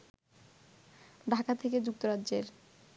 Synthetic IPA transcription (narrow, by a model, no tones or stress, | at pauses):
ɖʱakat̪ʰeked͡ʑuk̚t̪oɾadd͡ʑeɾ